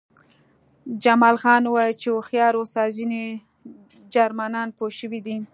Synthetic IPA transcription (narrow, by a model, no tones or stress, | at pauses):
d͡ʒamɑlxɑnwɑjit͡ʃewoxjɑɾosɑzine | d͡ʒaɾmanɑnpoʃəwid̪i